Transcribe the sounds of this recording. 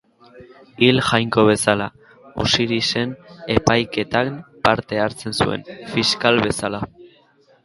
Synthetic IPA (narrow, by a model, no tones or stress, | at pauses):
ilʝajŋko̞β̞e̞sala | ṵsiɾise̞ne̞pajke̞t̪ampaɾt̪e̞aɾt͡se̞nsue̞̰nfiskalβe̞sala